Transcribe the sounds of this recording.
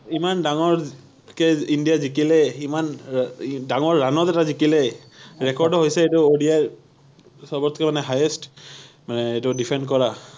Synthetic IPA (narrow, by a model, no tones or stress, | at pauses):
imandaŋɔɹ | kɛindijazikilɛiman | daŋɔɹːanɔtɛtazikilɛɹɛkɔɹdɔɦojsɛetʊodia | sɔbɔt̪ʰkɛmanɛɦajɛst | manɛetʊdipʰɛndkɔɹa